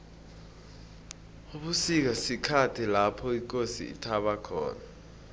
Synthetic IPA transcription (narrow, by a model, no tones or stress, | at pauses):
uɓusik̬asikʰatʰilapʰɔik̬ʼosḭḭtʰaɓakʰɔ̰ːna